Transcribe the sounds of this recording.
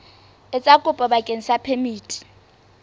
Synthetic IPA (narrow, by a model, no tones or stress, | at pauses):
ɪt͡sʼakʼʊpʼɔbakʼeŋ̩sapʰemiːtʼi̥